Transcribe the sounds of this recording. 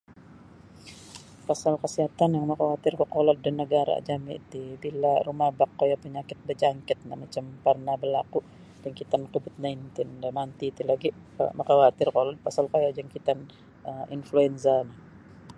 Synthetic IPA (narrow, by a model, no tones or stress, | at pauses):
pasalkəsiɦat̪anjaŋməkawat̪ɪrkəkolɔt̪̚danːəɡaɾa̰d͡ʒamḭt̪ibilarumahbakːojapəɲakɪt̪̚bəd͡ʒaŋkɪt̪̚na̰mat͡ʃamparnabəlaku | daŋkit̪ankubɪt̪̚najnt̪ɪndamant̪it̪ilaɡi | ə̰məkawat̪ɪrkolɔt̪̚pasalkojad͡ʒaŋkit̪an | əinfluɛnsanah